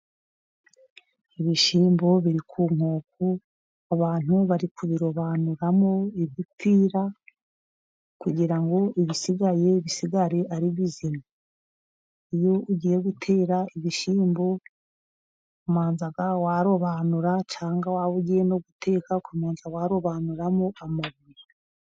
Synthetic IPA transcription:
iβiʃiːmbo̞βiɾikʰuːŋ̥hoːku | aβaːn̥uβaɾikuβiɾo̞βanuɾamo̞iβjipiːɾa | kuɟiɾaŋɡo̞ʔiβisiɡaje̞βisiɡaɾe̞ʔaɾiβizima | ijo̞uɟiːje̞ɡutʰe̞ːɾaiβiʃiːmbo | umaːnzaɡawaɾo̞βaːnuɾat͡ʃaːŋɡawawuɟijenoɡutʰe̞ːkakumaːnzawaɾo̞βaːnuɾamo̞amaβuɾe

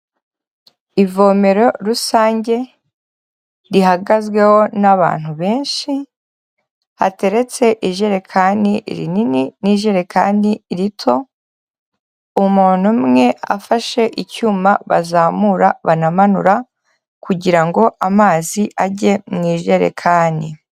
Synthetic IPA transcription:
ivo̞ːme̞ɾo̞ɾusaːɲɟe̞ | ɾiɦaɡazɡwe̞ho̞naβa̰ːn̥huβe̞ːnʃi | ha̰te̞ɾe̞t͡se̞ʔiʒe̞ɾe̞kʰaːndiɾḭnininiʒe̞ɾe̞kʰaːndiɾitʰo̞ | umuːn̥umŋe̞a̰faʃe̞ʔicuːmaβa̰zaːmuɾaβanamanṵɾa | kuɟiɾaŋɡo̞ʔamaːziʔaɟe̞mŋiːʒe̞ɾḛkʰaːni

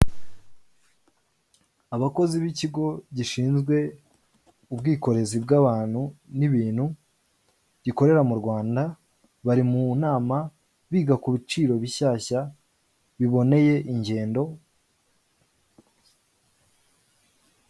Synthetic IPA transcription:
aβako̞ziβiciɡo̞ɟiʃiːnzɡwe̞ | ubɡiːko̞ɾe̞zib̚ɡaβaːn̥huniβiːn̥hu | ɟ̥iko̞ɾe̞ɾamuɾɡwaːnda | βaɾimunaːma | βiːɡakuβit͡ʃiːɾo̞βiɕaːça | βiβo̞ne̞je̞ʔiɲɟe̞ːndo̞

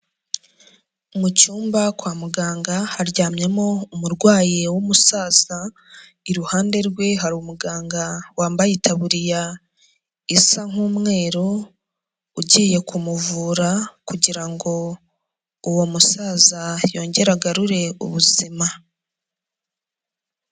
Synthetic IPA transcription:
umucuːmbakwaːmuɡaːŋɡahaɾɟaːmɲe̞mo̞umuɾɡwaːjewomusaːz̥a | iɾuhaːnde̞ɾɡwe̞ɦaɾumuɡaːŋɡawaːmbajitʰaβuɾija | isaŋ̥uːmŋe̞ːɾo | uɟiːje̞kumuvuːɾakuɟiɾaŋɡo̞ | uwo̞musaːzajo̞ːɲɟe̞ɾaɡaɾuɾe̞ṵβuz̥ima

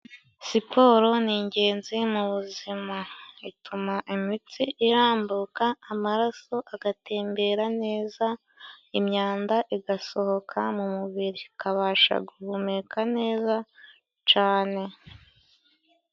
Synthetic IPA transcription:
sipʰo̞ːɾo̞niːɲɟe̞ːnzimuβuzimaitʰumaʔimit͡siʔiɾaːmbukaːmaɾaso̞ʔaɡate̞ːmbe̞ɾane̞ːza | imɲaːndaʔiɡaso̞ho̞kʰamumuβiɾikaβaːʃa̰ɡuhumekʰane̞ːza | t͡ʃaːne̞

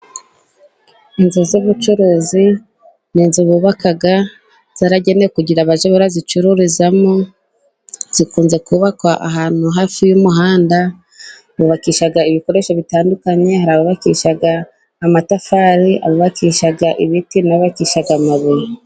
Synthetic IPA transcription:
inzuzoβut͡ʃuɾuːzi | niːnzuβuβakaɡa | z̥aɾaɟe̞nekuɟiɾaβaʒeβuɾazit͡ʃuɾuɾizamo | z̥ikuːnze̞kuβakwaʔaɦaːn̥huɦaːfijumuɦaːnda | βuβakiʃaɡaiβiko̞ɾe̞ʃoβitaːndukaɲe̞haɾaβuβakiʃaɡaː | matafaːɾiʔa̰βuβakiʃaɡaʔiβitinaββakiʃaɡamaβije

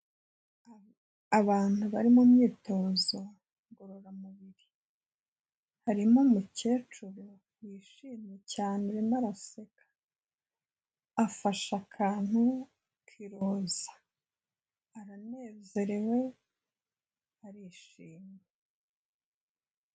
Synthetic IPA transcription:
aβaːn̥huβaɾimumɲiːto̞ːzo | ɡoɾoɾamuβiɾi | haɾimo̞muce̞ːt͡ʃuɾo | wiːʃiːmecaːneɾinaɾase̞ɡ̥ḁ | afaʃakʰaːn̥hu | kʰiɾooːzḁ | aɾane̞ːze̞ɾe̞we̞ | aɾiːʃiːmje

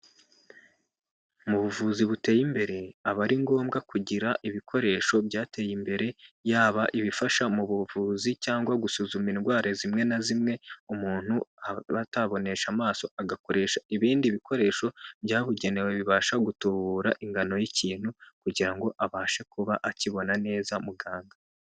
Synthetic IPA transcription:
muβuvuziβute̞ːjimbe̞ɾe̞aβaɾiŋɡo̞ːmɡakuɟiɾaʔiβikʰo̞ɾe̞ːʃo̞bɟaːte̞ːjimbe̞ɾe̞jaːβaʔiβifaʃamuβuvuːzicaːŋɡwaɡusuzuminɡwaːɾezimŋe̞nazimŋe̞umuːn̥huaβataβo̞ne̞ʃamaːso̞aɡako̞ɾe̞ːʃaiβiːndiβiko̞ɾe̞ːʃo̞bjaːβuɟe̞ne̞weβiβaːʃaɡutuβuːɾaʔiŋɡano̞jiciːn̥hukuɟiɾaŋɡo̞ʔaβaːʃe̞kuβaʔaciβo̞nane̞ːzamuɡaːŋɡa

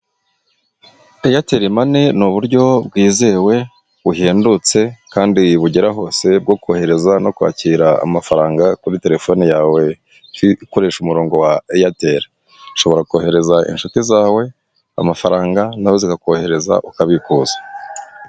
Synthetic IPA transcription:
ejate̞ɾimane̞nuβuɾɟo̞bɡwiːzewe̞ | βuɦeːndut͡se̞kaːndiβuɟeɾaɦo̞ːse̞b̚ɡo̞ko̞ːhe̞ɾe̞zano̞kwa̰ːciːɾaa̰mafaɾaːŋɡakuɾite̞ɾe̞fo̞nijaːwe̞ | iko̞ɾe̞ːʃumuɾo̞ːŋɡo̞waejate̞ɾi | ʃo̞βo̞ɾakoːhe̞ɾe̞zaʔḭnʃutizaːwe̞ | a̰mafaɾaːŋɡanaho̞zikako̞he̞ɾe̞za̰ʔukaβikuːzḁ

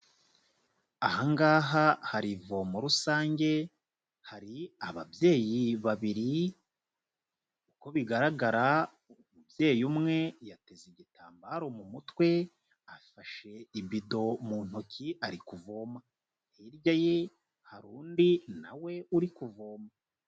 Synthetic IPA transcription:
ahaŋɡaːɦahaɾivo̞moɾusaːɲɟe̞ | haɾiaβa̰bje̞ːjiβaβiɾi | uko̞βiɡaɾaɡaɾa | umubje̞ːjumŋe̞jateziɟitaːmbaːɾo̞mumutwe̞ | afaʃe̞iβido̞muːn̥hocʰiaɾikuvo̞ːma | hiɾɟaje | haɾuːndina̰we̞uɾikuvo̞ːma

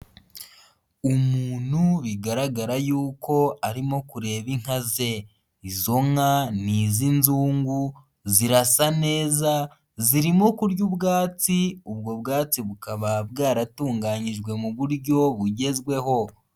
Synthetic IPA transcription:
umuːn̥huβiɡaɾaɡaɾajuːko̞aɾimo̞kuɾe̞ːβiŋ̥haze̞ | izo̞ŋaniːzinzuːŋɡu | ziɾasane̞ːza | ziɾimo̞kuɾɟubɡaːt͡siubɡo̞bɡaːt͡siβukaβabɡaːɾatuːŋɡaːɲiʒɡwe̞muβuɾɟo̞βuɟe̞zɡwe̞ɦo̞

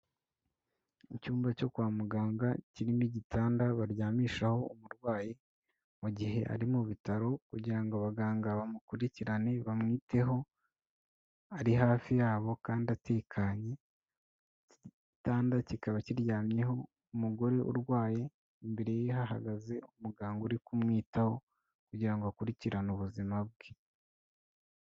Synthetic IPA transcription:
icuːmbaco̞kwaːmuɡaːŋɡaciɾimiɟitʰaːndaβaɾjaːmiːʃaho̞umuɾɡwaːje | muɟiɦe̞ʔa̰ɾimuβitaɾo̞kuɟiɾaŋɡoaβaɡaːŋɡaβamukuɾiciɾane̞βamŋiːte̞ɦo̞ | aɾiɦaːfijaːβo̞kaːndiatʰe̞ːkʰaɲe̞ | taːndacikaβaciɾjaːmje̞ɦo̞ | umuɡo̞ɾe̞ʔṵɾɡwaːje̞ | imbe̞ɾe̞jeɦaɦaɡaze̞umuɡaːŋɡuɾikumŋiːtaho̞ | kuɟiɾaŋɡoakuɾiciɾanuβuzimabɡwe

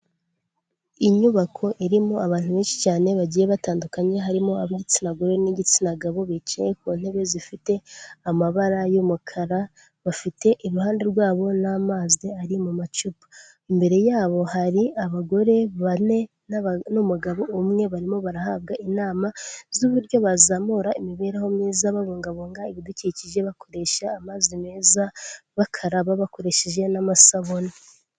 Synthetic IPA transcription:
iɲuβakʰo̞ʔiɾimoaβaːn̥uβeːnʃi̥caːne̞βaɟiːje̞βataːndukaɲe̞ɦaɾimoaβiɟit͡sinaɡoɾe̞niɟit͡sinaɡaβo̞βit͡ʃajek̚uːn̥he̞βe̞zifite̞amaβaɾajomukʰaɾa | βafite̞ʔiɾuhaːnde̞ɾɡwaːβo̞naːmaːziaɾimumat͡ʃupa | imbe̞ɾe̞jaːβo̞haɾiaβaɡo̞ɾe̞βane̞ | nnumuɡaβo̞umŋe̞βaɾimoβaɾahaβɡaʔinaːmazuβuɾɟo̞βazamoɾaimiβe̞ɾaho̞mniːzaβaβoːŋɡaβoːŋɡaiβiduciciʒe̞βako̞ɾe̞ʃaːmazimeːzaβakʰaɾaβaβako̞ɾe̞ʃeʒe̞namasaβo̞na

